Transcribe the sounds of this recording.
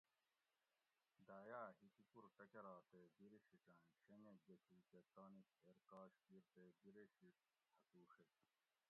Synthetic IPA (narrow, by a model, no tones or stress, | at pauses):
d̪aːjaːɦikikuɾʈɐkɐɾaːt̪eːbiɾiɕiʈãːɕeneɡɐkiːket̪aːnikeːɾkaːɕkiɾt̪eːbiɾeɕiʈ̚ | hʰɐkuːʂe